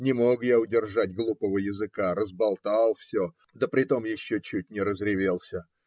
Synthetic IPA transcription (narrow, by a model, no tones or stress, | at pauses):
nʲɪmo̞kjaʊdʲɪrʐatʲɡlˠupəvəjɪzɨkaɾəzbɐlˠt̪alˠfsʲo | d̪əpɾʲɪt̪o̞mjɪɕːot͡ɕut̚ʲnʲɪɾəzɾʲɪvʲe̞lˠsʲə